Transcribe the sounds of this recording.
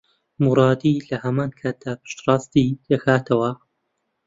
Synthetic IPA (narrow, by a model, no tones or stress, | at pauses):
muɾˤɑːd̪ilɐhɐmaːnkʰaːt̪̚d̪aːpʰɨ̥ʃt̪rˤɑːst̪id̪̥ɐxaːt̪ʰɐwɐ